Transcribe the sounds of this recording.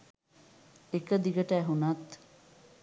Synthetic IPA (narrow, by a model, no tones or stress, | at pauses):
ekəd̪iɡɐʈæːɦunɐt̪